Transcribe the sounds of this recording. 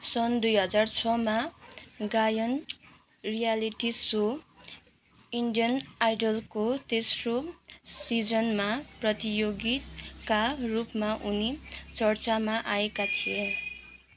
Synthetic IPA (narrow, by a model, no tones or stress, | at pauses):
sʌnd̪ujɦʌd͡zart͡sʰʌmaɡajʌn | rijaliʈiso | iɳɖijʌnajɖʌlkot̪esrosid͡zʌnmaprʌt̪ijoɡit̪karupmaʔunit͡sʌrt͡samaʔaekat̪ʰije